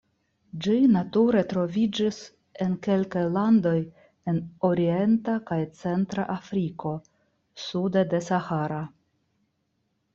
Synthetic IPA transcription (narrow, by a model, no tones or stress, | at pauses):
d͡ʒinatuɾe̞tɾo̞vid͡ʒis | e̞nke̞lkajlando̞j | e̞no̞ɾie̞ntakajt͡se̞ntɾa̰ʔafɾiko̞ | sudede̞sahaɾa